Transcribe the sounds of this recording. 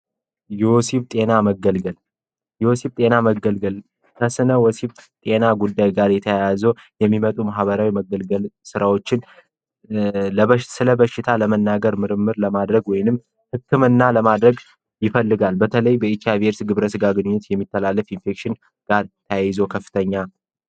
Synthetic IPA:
juwosibt̪ʼe̞naməɡəlɡəl | jɪwosebt̪ʼe̞naməɡəlɡəl | kʰəsɨnəwɔsibt̪ʼe̞naɡud̪ːajɡaɾjɛt̪ʰəjajazowjɛmːimət̪ʼumaɦβəɾawiməɡəlɡəlsɨɾawo̞t͡ʃːɪn | ləsɨləbəʃːɪt̪ʰaləmənːaɡəɾmɨɾɨmːɨɾləmad̪ɾəɡwɔjnɨm | hɨkːɨmɨnːaləmad̪ɾəɡ | jɪfəlːɨɡalbət̪ʰələjbəikʰijaβeɾsɡɨβɾəsɨɡaɡɨnɨɲːʊt̪jɛmːit̪ʰːəlalːəfinfe̞kʃɪn | ɡ̥aɾt̪ʰəjajɪzokʰəfːɨ̥t̪ʰəɲːa

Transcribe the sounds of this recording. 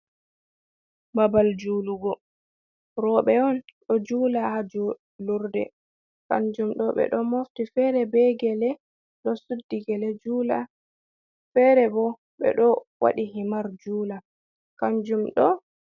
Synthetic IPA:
babald͡ʒuluɡɔ | ɾɔɓɛɔnɗɔd͡ʒuːlahad͡ʒɔ | luɾdɛ̰ | ka̰ɲd͡ʒumɗɔɓɛ̰ɗɔmoftifɛɾɛbɛɡɛlɛ | ɗɔsudːiɡɛlɛd͡ʒuːla | fɛɾɛbɔ | ɓɛ̰ɗɔwa̰ɗiɦimaɾd͡ʒuːla | kaɲd͡ʒumɗɔ

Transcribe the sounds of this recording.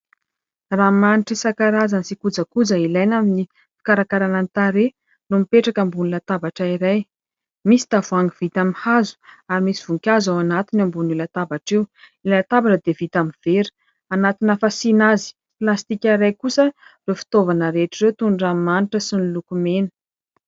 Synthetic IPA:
ramaniʈ͡ʂisakaɾazanisikud͡zəkud͡zəilajnamini | fi̥kaɾakaɾanant̪aɾe | lumipeʈ͡ʂakəmbunilat̪abaʈ͡ʂaiɾaj | misi̥t̪avuaŋɡivit̪amihazu̥aɾimisiv̥uŋkʲazawanat̪inambunilat̪abaʈ͡ʂew | ilat̪abaʈ͡ʂəd̪evit̪amiv̥eɾi̥ | anat̪inafasinazi̥ | plast̪ikʲaɾajkusərefi̥t̪ovanəɾeʈ͡ʂirewt̪unramaniʈ͡ʂəsinilukumenə̥

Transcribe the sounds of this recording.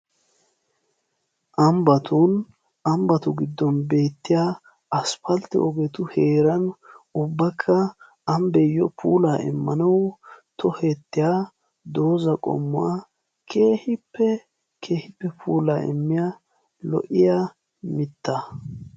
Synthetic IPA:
ʔɐmbɐt̪un | ɐmbɐt̪ʊɡɪd̪ːɔnbe̞ːt̪ːɪjaː | ɐspɐlt̪ːɛ̰ʔɔɡɛt̪ʊhe̞ːɾɐnʊbːɐkʰːɐ | ɐmbɛjːɔpṵːlaːɪ̰mːɐnɐwt̪ʰɔheːt̪ːɪja | d̪o̞ːzɐkʼɔ̰mːʊa | kʰe̞ːhɪpːɛ | kʰeːhɪpːɛpʰuːlaːɪ̰mːɪja | lɔ̰ʔɪja | mɪt̪ːɐ

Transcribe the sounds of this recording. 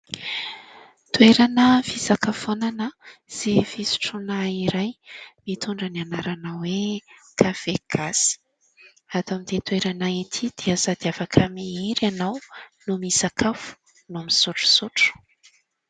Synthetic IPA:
t̪ueɾanəvisakafonanəz̥evisu̥ʈ͡ʂunaiɾajmit̪uɳɖ͡ʐənianaɾanawekʰav̥eɡ̥asi̥ | at̪amind̪et̪ueɾanait̪ʰid̪̥iəzad̪̥iafakʰəmiiɾanawnumisakʰafu̥ | nuamisuʈ͡ʂu̥suʈ͡ʂu̥

